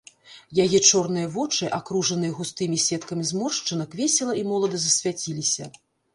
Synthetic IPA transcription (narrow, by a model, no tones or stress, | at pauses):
jajɛt͡ʂɔrnɨjɐvɔt͡ʂɨʔakɾuʐɐnɨjɐɣust̪ɨmʲisʲɛt̪kɐmʲizmɔrʂt͡ʂɨnɐkvʲɛsʲɛlˠɐimɔlˠɐd̪ɐzɐsʲvʲat͡sʲilʲisʲɐ